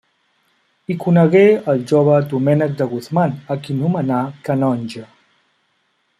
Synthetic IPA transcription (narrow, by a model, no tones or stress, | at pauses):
ikunəɣeəlˠʒoβəd̪umɛnək̚d̪əɣuθmanəkinumənakənɔnʲʒə